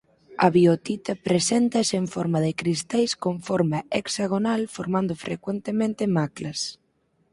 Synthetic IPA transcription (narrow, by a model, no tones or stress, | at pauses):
ɐ̰βiot̪it̪ɐpɾesɛnt̪ɐseɱfɔɾmɐðɪkɾist̪ajskoɱfɔɾmaeksaɣ̞onalfoɾmand̪ʊfɾekwent̪emẽnt̪ɪmaklɐs